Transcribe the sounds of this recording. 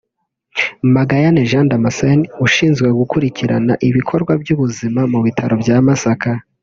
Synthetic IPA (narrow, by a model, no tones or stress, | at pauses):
maɡajaneʒãːndamasenuʃiːnzɡwe̞ɡukuɾiciɾanaʔiβikʰo̞ɾɡwabjuβuzimamuβitʰaɾo̞bjaːmasaka